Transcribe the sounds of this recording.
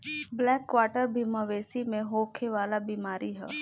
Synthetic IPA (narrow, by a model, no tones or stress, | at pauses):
blɛːkːʋaːʈəɾbimaʋeːsimẽɦoːkʰeʋaːlabimaːɾiɦɛ̰ː